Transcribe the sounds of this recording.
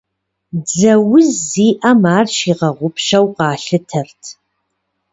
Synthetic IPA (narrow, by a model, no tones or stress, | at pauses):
d͡zɐwʊziːʔɐmaːrʃiːʁɐʁʷʊpʰʃɐwqɑːɬɨtʰɐrtʰ